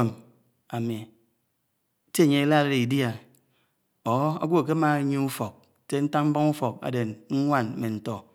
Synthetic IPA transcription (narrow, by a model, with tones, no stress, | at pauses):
m | a˨mi˨˦ | te˦e˨ɲe˦e˦la˦ɾe˦ɾi˨dja˨ | o˨˦a̰˦ɡʷo˦a˨ke˦ma˦˨˦ɲo˦u˦fo˨k̚te˦n̩˦ta˦ŋm̩˦bo˦ŋu˦fo˨k̚a̰˨de˨nŋ̩˦ŋʷa˦˨n˨me˨n̩˨tɔ˨